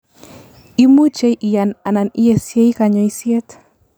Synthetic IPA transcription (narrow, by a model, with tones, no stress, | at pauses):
i˦mu˦t͡ʃe˦jʔi˨ja˨na˨na˨ni˦je˨sje˦i˦ka˨ɲɔ˨i˦sje˦t̪